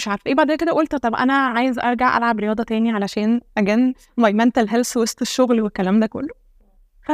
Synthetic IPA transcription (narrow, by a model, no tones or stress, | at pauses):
eʃʕaːɾfʔeːbaʕd̪eːnked̪æʔolt̪t̪ˤɑbʔæ̰næʕaːjezʔɑɾˤɡaʕʔæ̰lʕabɾejɑːd̪ˤɑt̪æːniʕalæʃæːnʔæɡæn | wɑjmænt̪elɦelswost̪eʃːoɣlwekːælæːmd̪æko̰lːo | fæ